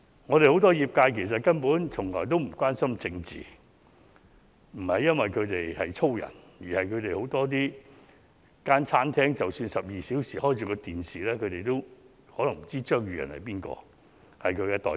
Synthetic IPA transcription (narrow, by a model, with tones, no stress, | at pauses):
ŋɔ˨˧ɾe˨jho˨˥wt̪̬ɔː˥jiː˨˩p̚kaː˧jkʰe˨˩js̬ɐ˨t̚kɐ˥npuː˨˥nt͡sʰʊ˨˩ŋlɔː˨jt̪o˥wm̩˨˩kʷwaː˥nsɐ˥mt͡sɪ˧ŋt͡sḭː˨ | m̩˨˩hɐ˨jːɐ˥nwɐ˨jkʰɵ˨˧t̪e˨jhɐ˨jt͡sʰo˥wjɐ̰˨˩n | jiː˨˩hɐ˨jkʰɵ˨˧ɥt̪e˨jho˨˥wt̪ɔː˥t̪̬iː˥ | kaː˥nt͡sʰaː˥nt̪ʰɛː˥ŋt͡sɐ˨wsyː˧nsɐ˨p̚jiː˨si˨˥wsiː˨˩hɔː˥jt͡sʰyː˧˥kɔ˧t̪iː˨nsiː˨lɛː˥kʰɵ˨˧ɥt̪e˨˩jt̪o˥w | hɔː˨˥lɐ˨˩ŋm̩˨˩t͡siː˥t͡ʃœː˥ŋjyː˧jɐ̰˨˩nhɐ̰˨jpiː˥nkɔ̰ː˧ | hɐ˨jkʰɵ˨˧kɛː˧t̪ɔ̰ː˨˩